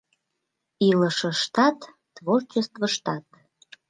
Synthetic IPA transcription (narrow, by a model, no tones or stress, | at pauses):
iləʃəʃt̪ɑt̪ː | vort͡ɕəst̪vəʃt̪ɑt̪